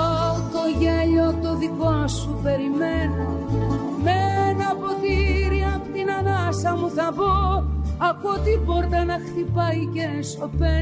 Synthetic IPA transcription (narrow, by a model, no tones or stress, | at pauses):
t̪o̞ʝeʎo̞t̪oðikoɐsupe̞ɾimeno | menɐpot̪iɾiɐpt̪inɐnɐsɐmuθɐvoɐkuot̪iboɾt̪ɐnɐxθipɐjcenso̞pe